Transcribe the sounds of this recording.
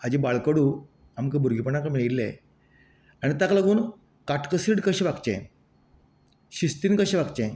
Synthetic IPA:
ad͡ʑibaɭkəɽuː | amkebʱuɾɡʱipəɳakamiɭillḛ | aɽ̃it̪akləɡuːn | kaʈkəsiɽkəɕẽʋakt͡ɕḛ̃ | ɕist̪iːnkəɕeʋakt͡ɕẽ

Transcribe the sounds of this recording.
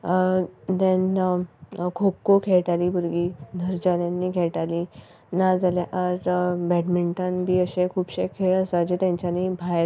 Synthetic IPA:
d̪ɛ̃n | kʰokːokʰeɭʈaliːbuɾɡiːnʱəɾd͡ʑanjãnːiːkʰɛɭʈali | nad͡zaleʔaɾbɛʈmiɳʈãnbiːəɕẽkʰuːbɕekʰeɭəsad͡ʑet̪jãɲt͡ɕaniːbʱaj

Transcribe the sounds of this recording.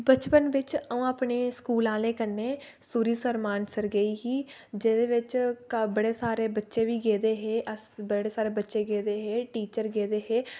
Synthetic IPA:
bət͡ʃpənʋɪt͡ʃəũːaːpɳeːskuːlãːleːkəɾnːeː | suːɾiːsəɾmaːnsəɾɡəiːɦiː | d͡ʒeːd̪eːʋɪt͡ʃbəɽeːsaːɾeːbətːʃeːʋiːɡeːd̪eːɦeːʔəsbəɽeːsaːɾeːbətːʃeːɡeːd̪eːɦeːʈiːt͡ʃəɾɡeːd̪eːɦeː

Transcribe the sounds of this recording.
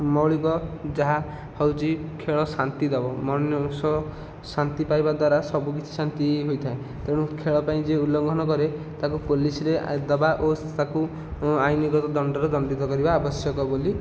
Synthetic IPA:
mɔɭikɔd͡ʒaɦa | hɔwt͡ʃʰikʰeɭɔsant̪id̪ɔbɔmɔsɔ | sant̪ipajbad̪waɾasɔbuk̬it͡ʃʰi̥sant̪iɦojt̪ʰae | t̪eɽ̃ũkʰeɭɔpaĩd͡ʒeulːɔŋɡʱɔnɔkɔɾe | t̪akupolisiɾed̪ɔbaʔot̪aku | ajniɡɔt̪ɔd̪ɔɳɖɔɾd͡ʒɔnb̪it̪ɔkɔɾibaːbɔsjɔkɔboli

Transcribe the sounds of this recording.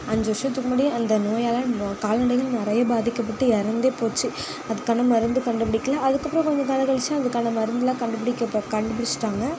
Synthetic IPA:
ɐɲd͡ʒɐʋɾʂɐt̪ːɯkːɯmaːɽiɐnd̪ɐnoːjaːlãkaːlnɐɽɐɪɣɐɭnɪɾɐjɐbaːðɪkːɐpːɐʈːɯɛɾɐnd̪eːpoːt͡ʃːɯ | ɐðɯkːaːnɐmɐɾɯnd̪ɯkɐɳɖɯpɪɽɪkːɐlaːʔɐðɯkːɐpːɾɐ̃kɔɲd͡ʒɐk̪ɐlɐɣɐɭɪt͡ʃːɐ̃ɐðɯkːaːnɐmɐɾɯnd̪ɯlãːkɐɳɖɯpɪɽɪkːɐkɐɳɖɯpɪɽɪt͡ʃːɯ̥ʈːaːŋɡɐ

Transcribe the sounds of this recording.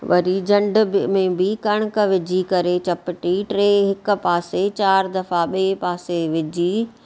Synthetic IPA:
ʋɐ̰ɾid͡ʑɐ̃ɳɖmẽbɪkɐɽ̃kəʋɪd͡ʑʱikɐɾet͡ɕɐpɪʈiʈɾeːɦɪkʊ̆paːset͡ɕaːɾd̪ɐfaɓeːpaːseʋɪd͡ʑʱiː

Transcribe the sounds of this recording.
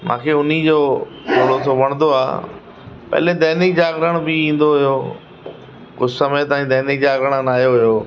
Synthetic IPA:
mã̰ːkʰeːʊn̤id͡ʑoː | ʊlot̪ʰoʋɐɽ̃nd̪oa̰ː | pɐ̰ɦled̪ɛːnɪk̚d͡ʑaːɡɾəɽ̃bɪĩːn̆d̪oɦɪjoː | kʊd͡ʑsəmet̪ɐ̃ːĩd̪ɛːnɪk̚d͡ʑaːɡɾəɽ̃naːjoɦʊjoː

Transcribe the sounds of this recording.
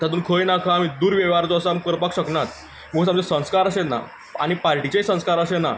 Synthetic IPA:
t̪at̪uːnkʰojnakʰaːmiːd̪uːɾʋeʋaɾt͡sɔəsamkəɾpakɕəknat̪̚ | məɡut͡samt͡sesə̃skaɾəɕet̪na̰ | a̰ɽ̃ipaɾʈit͡ɕeisə̃skaɾəɕena̰

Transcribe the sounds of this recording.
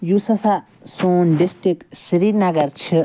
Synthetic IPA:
jusɐsa | soːnɖisʈɾiksiɾinɐɡɐɾt͡ʃʰi

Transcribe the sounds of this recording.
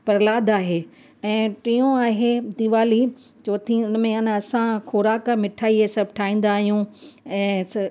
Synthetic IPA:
pɐɾlaːd̪aːɦeː | ɛ̃ːʈijõaːɦed̪iʋaːli | t͡ɕoːt̪ʰĩʊnmẽɪnɐsãxʰʊːɾaːkmɪʈʰaːiesɐbʱʈʰaːĩːn̆d̪aːɦijũɛ̃ːs

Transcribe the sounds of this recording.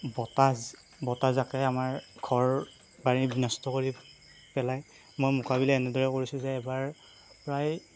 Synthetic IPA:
bɔtaz | bɔtazakɛamaɹɡʱɔɹ | baɹibinɔstɔkoɹi | pɛlaj | mojmukʰabilaɛnɛdɔɹɛkoɹisʊzɛːbaɹ | pɹaj

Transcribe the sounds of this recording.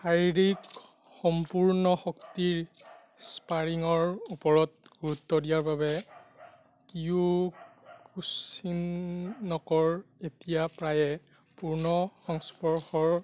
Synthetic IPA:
xaɹiɹik | xɔmpuɹnɔxɔktiɹ | spaɹiŋɔɹupɔɹɔt̚ɡ̥uɹutːɔdijaɹbabɛ | kiu | kusinnɔkɔɹetijapɹajɛ | puɹnɔxɔŋspɔɹxɔɹ

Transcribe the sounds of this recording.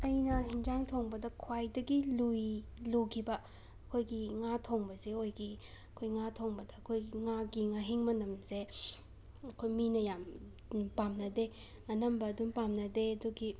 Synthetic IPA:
ɐjnɐɦind͡ʒaŋtʰoŋbɐdɐkʰwajdɐɡilujlukʰibɐ | ɐkʰojɡiŋatʰoŋbɐseojɡi | ɐkʰojŋatʰoŋbɐdɐːkʰojiŋaɡiŋaɦiŋmɐnɐmse | ɐkʰojminɐjam | pamnɐde | ɐnɐmbɐːdumpamnɐdeɐduɡi

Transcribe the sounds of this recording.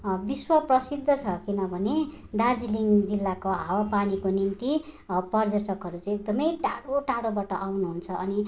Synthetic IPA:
biswʌprʌsid̪ʱːʌt͡sʰʌkinʌbʱʌne | d̪ard͡ziliŋd͡zilːakoɦawapanikonimt̪i | pʌrd͡zʌʈʌkɦʌɾut͡sʌ̃ĩek̚d̪ʌmʌjʈaɽoʈaɽobaʈʌʔawnuɦunt͡sʰʌʌni

